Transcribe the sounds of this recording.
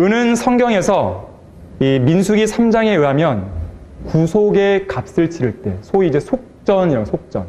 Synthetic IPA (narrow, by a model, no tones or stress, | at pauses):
ɯnɯnsʰʌŋɡjʌŋe̞sʰʌ | iminsʰuɡisʰamd͡ʑaŋe̞ɯɦamjʌnkusʰoɡekap̚s͈ɯɭt͡ɕʰiɾɯɭt͈e̞̰sʰoiid͡ʑe̞sʰok̚t͡ɕ͈ʌniɾʌɡsʰok̚t͡ɕ͈ʌn